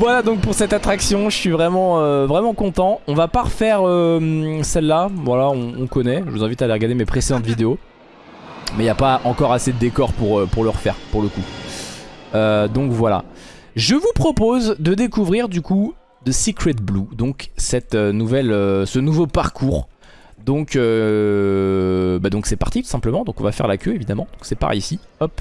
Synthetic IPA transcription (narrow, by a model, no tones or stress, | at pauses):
vwalad̪ɔ̃k̚puʁsɛt̪at̪χaksjɔ̃ʒəsɥivʁɛmɑ̃øvʁɛmɑ̃kɔ̃t̪ɑ̃ɔ̃vapaʁəfɛʁømsɛlːavwalaɔ̃ːkɔnɛʒəvuzɛ̃vit̪aleʁəɡaʁd̪emepχesed̪ɑ̃t̪vid̪eo | mɛiljapaʔɑ̃kɔʁased̪əd̪ekɔʁpuʁøpuʁləʁəfɛ̰ʁpuʁləku | ød̪ɔ̃kvwala̰ | ʒəvupχɔpozd̪əd̪ekuvʁiʁd̪yku | d̪əsikχɛt̪̚blud̪ɔ̃ksɛt̪ønuvɛløsənuvopaʁkʰuʁ | d̪ɔ̃kø | bad̪ɔ̃ksɛpa̰ʁt̪it̪u̥sɛ̃pləmɑ̃d̪ɔ̃kɔ̃vafɛ̰ʁlakʲøevid̪amɑ̃d̪ɔ̃ksɛpa̰ʁɛ̰jisiɔp